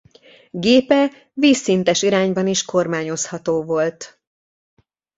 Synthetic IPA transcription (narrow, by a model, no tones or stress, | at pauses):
ɡeːpɛ | viːsːint̪ɛʃiɾaːɲbɒniʃko̞rmaːɲo̞shɒt̪oːvo̞lt̪